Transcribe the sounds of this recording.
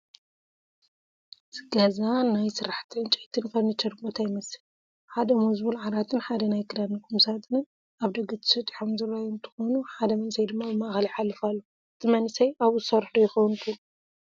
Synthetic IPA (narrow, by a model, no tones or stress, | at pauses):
zɨɡazanajsɨɾaħt̪ʰiɨnt͡ʃʼiʕt̪ʰɨnkɐnɨt͡ʃʰɐɾbot̪ʰajɪmɐsɨl | ħad̪ɐmuzbulʕalat̪ʰɨnħad̪ɐnajkʰɨd̪anːɐkʰumsat̪ɨnɨn | aβd̪ɐɡɨt̪ʰɨ̥sɐt̪ʼiħomzɨɾajɨnt̪ʰɨ̥xonuħad̪ɐmɐnsɐjd̪ɨmːabɨmaxliħalːɨfalːo | ɨt̪ʰɨmɐnsɐjaβuɨ̥sɐɾħd̪ojɪxɐwnt̪ʰɨlu